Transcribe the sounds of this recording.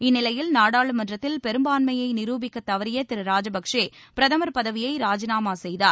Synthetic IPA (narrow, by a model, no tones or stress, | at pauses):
ɪnːɪlɐjɪlnaːɽaːɭɯmɐndrɐt̪ːɪlpɛɾɯmbaːnmɐjɐɪnɪɾuːbɪkːɐt̪ːɐʋɐɾɪjɐt̪ɪɾɯɾaːd͡ʒɐbɐkʂeː | pɪɾɐðɐmɐɾpɐðɐʋɪjɐɪɾaːd͡ʒɪnaːmaːsɛjðaːɾ